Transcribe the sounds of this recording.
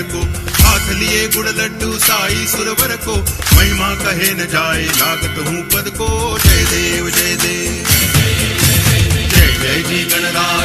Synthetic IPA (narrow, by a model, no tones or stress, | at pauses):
koːɦaːt̪ʰlɪeːɡʊɽlɐɖuːsaːiːsʊɾʋɐɾkoːmɐ̃ĩmãːkɐɦeːnɐd͡ʒaːeːlaːɡət̪ɦũːpɐd̪koːt͡ʃɐed̪eːʋɐd͡ʒeːd̪eː | d͡ʒɐːd͡ʒɐɦɪd͡ʒiːkɐɽ̃d̪aː